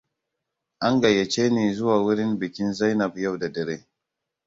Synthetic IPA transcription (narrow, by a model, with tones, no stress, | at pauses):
ʔa˦ŋɡa˨jːa˨t͡ʃeː˦ni˨zʊ˦waː˨wu˦ɾi˦nbi˨kʲi˦nza˦jna˨b̚ja˦wda˨dɐ˨ɾe˦